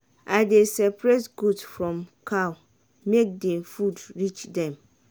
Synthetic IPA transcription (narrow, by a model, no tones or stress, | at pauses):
ʔaɪdesɛpʰɾɛsɡudfɹɔ̃mkʰaw | mek̚dɛ̃mfudɹit͡ʃdɛ̃m